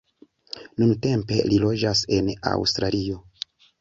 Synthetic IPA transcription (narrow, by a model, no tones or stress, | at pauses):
nunte̞mpe̞lilo̞d͡ʒase̞na̰wstɾalio̞